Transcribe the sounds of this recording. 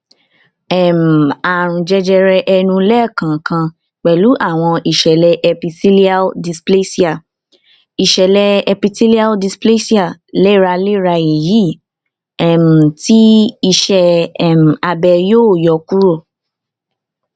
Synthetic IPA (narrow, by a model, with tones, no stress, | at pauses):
ɛ˨m̩˨a˨ɾ̃ũ˨d͡ʒɛ˧d͡ʒɛ˧ɾɛ˧ʔɛ˧nũ˧lɛ˦˨kã˨kã˧ | k͡pɛ˨lu˨˦ʔa˦˨w̃ɔ̃˧ʔi˨ʃɛ˨lɛ˧ʔɛ˧pi˧ti˦li˦a˦ldi˧sple˦si˦a˨ | i˨ʃɛ˨lɛ˧ɛ˧pi˧ti˦li˦a˦ldi˧sple˦si˦a˦˨le˦ɾa˧le˦ɾa˧e˨ji˨˦˨ | ɛ˦˨m̩˨ti˦i˧ʃɛ˧ɛ˨m̩˨a˧bɛ˧joː˦˨jɔ˨ku˦ɾo˦˨